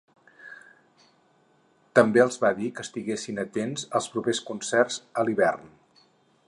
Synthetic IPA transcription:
t̪əmbeəlˠzβaðikəst̪iɣesinət̪enzəlˠspɾupeskunsɛrzəliβɛrn

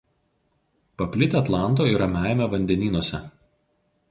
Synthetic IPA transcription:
pɐpʲlʲɪt̪ʲeɐt̪lˠɑˑnt̪̬oːɪɾɐmʲæˑɪmʲɛʋɐnʲd̪ʲɛnʲiːnuɔsʲɛ

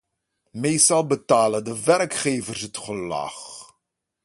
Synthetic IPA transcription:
mejstɑlˠbətaːləndəʋɛrkχejvərsɦətχəlɑ̰χ

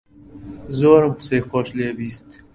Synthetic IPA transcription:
zoːɾəmqseːxoːʃleːbiːst̪

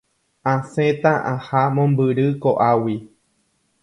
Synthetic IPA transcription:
ãsẽt̪ãʔãhamõmbɨɾɨkoʔawi

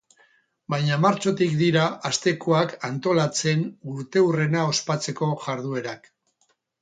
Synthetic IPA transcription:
bajɲamaɾt͡ʃo̞t̪ikd̪iɾaast̪e̞koakant̪o̞lat͡se̞nuɾt̪e̞ure̞nao̞spat͡se̞ko̞ʝaɾðue̞ɾak

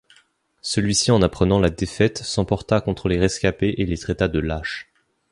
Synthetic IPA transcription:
səlɥisiɑ̃napχənɑ̃lad̪efɛt̪sɑ̃pɔʁt̪akɔ̃t̪χəleʁɛskʲapeʔelet̪χɛt̪ad̪əlaʃ

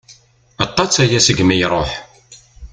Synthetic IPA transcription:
ɑt̪ˤːɑt͡sːæjæsəɡmijɾˤoħ

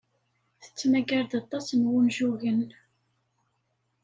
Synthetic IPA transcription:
θə̥t͡sːmæɡæɾd̪ɑt̪ˤːɑsnwʊnʒuʝən

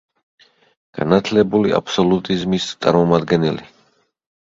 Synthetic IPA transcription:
ɡ̥a̰nat̪ʰlɛbulia̰pʰsɔlut̪ʼizmist̪sʼa̰ɾmɔmad̪ɡɛnɛli

